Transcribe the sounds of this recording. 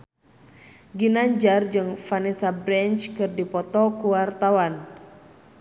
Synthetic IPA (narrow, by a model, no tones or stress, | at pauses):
ɡinaɲd͡ʒard͡ʒɨŋfanisabɾɛnt͡ʃkɨrdipɔt̪ɔkuwart̪awan